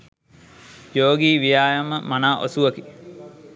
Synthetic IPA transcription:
joːɡiːʋijaːjaməmanaːʔo̰suʋɐki

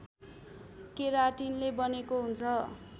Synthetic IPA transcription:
keɾaʈinlebʌnekoɦunt͡sʰʌ

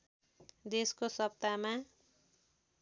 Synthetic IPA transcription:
d̪eskosʌp̚t̪ama

